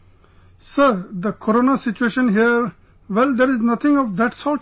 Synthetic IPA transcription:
səɾd̪əkʰoɾoːnasɪt͡ʃueːʃə̃nɦiəɾ | ʋɛld̪eɾɪznʌt̪ʰɪ̃ŋɔʋd̪æʈsɔːʈ

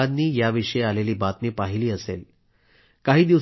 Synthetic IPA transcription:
ad̪nːiːjaʋiʂəjealeliːbat̪niːpaɦiliːəsel | kaɦiːd̪iʋ

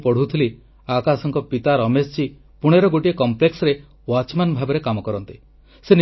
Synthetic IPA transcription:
pɔɽ̤ut̪ʰili | akasɔŋkɔpit̪aɾɔmest͡ʃi | puɽ̃eɾɔɡoʈiekɔmpleksɔɾe | wat͡ʃmanbʱabɔɾekamɔkɔɾɔnt̪i | sen

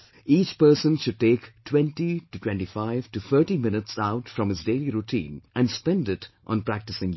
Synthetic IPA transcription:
iːt͡ʃpəɾsə̃nʃʊɖ̚ʈeːktʰwɛ̃nʈitutʰwɛ̃nʈifaɪʋʈut̪ʰəɾʈimɪ̃nɪtsaʊʈfɾʌ̃mɪzdeːliɾuʈʰḭ̃ːnʔæ̃nspɛ̃ndɪtʔɔ̰̃npɾæk̚ʈɨsɪ̃ŋ

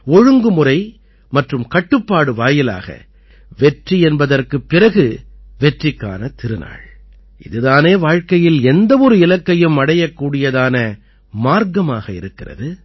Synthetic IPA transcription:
ɔɻɯŋɡɯmɯrɐɪ | mɐʈrɯmkɐʈːɯpːaːɽɯʋaːjɪla̰ːɣɐ̰ | ʋɛʈriɛnbɐðɐrkɯpːɪrɐɣɯʋɛʈrɪkːa̰ːnɐt̪ɪɾɯna̰ːɭ | ɪðɯðaːneːʋaːɻkɐjɪlɛnd̪ɐʋɔɾɯɪlɐkːɐjɯmɐɽɐjɐkːuːɽɪjɐðaːnɐ | maːɾɡɐmaːɣɐɪ̰ɾɯkːɪrɐ̰ðɯ

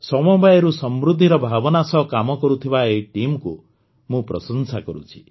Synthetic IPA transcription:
sɔmɔbajeɾusɔmɾud̪ʱːiɾɔbʱabɔnasɔɦkamɔkɔɾut̪ʰibaeʈimku | mũpɾɔ̰sɔnsakɔɾṵt͡ʃʰi̥

